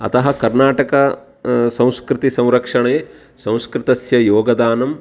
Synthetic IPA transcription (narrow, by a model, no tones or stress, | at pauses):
ɐ̰t̪ɐɦɐkɐɾnaːʈɐkɐ | sɐ̃w̃skɾɪt̪isɐ̃w̃ɾɐkʂɐɳɐ | sɐ̃w̃skɾɪt̪ɐsjɐjoːɡɐd̪aːnɐm